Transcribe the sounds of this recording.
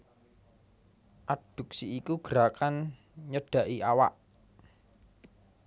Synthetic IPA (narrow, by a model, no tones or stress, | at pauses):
ʔad̥ṳk̚siːkuɡ̥əɾakan | ɲəɖ̥ä̤ʔiawaʔ